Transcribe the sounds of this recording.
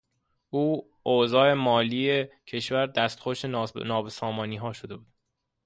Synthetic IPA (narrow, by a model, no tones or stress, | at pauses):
ʔuː | ʔozɒːe̞mɒːliːecʰe̞ʃvæɾd̪æst̪xoʃenɒːbesɒːmɒːniːɦɒːʃo̞d̪e̞buːd̪̥